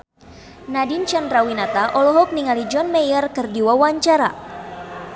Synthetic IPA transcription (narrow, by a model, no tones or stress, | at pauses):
nadint͡ʃanrawinat̪aʔɔlɔɦɔk̚niŋalid͡ʒɔnmɛjərkɨrdiwawaɲt͡ʃaɾa̰